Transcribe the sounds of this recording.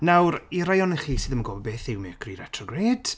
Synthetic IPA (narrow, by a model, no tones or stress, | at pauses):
nawɾiɾajɔnɛχisɨðəmənɡɔːbɔbeːθɪwmɪkʰriːɾɛtʰrɔɡreːd̥